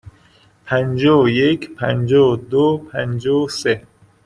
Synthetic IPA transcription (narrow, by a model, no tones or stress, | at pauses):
pʰænd͡ʒoːjekʰpʰænd͡ʒoːd̪opʰænd͡ʒoːse